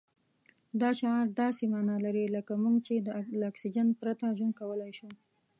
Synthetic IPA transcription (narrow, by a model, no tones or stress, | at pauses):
d̪ɑʃɑɾd̪ɑsemɑnɑlaɾiləkamuŋɡt͡ʃed̪əlɑksid͡ʒanpɾat̪aʒwən̚kawəlajʃu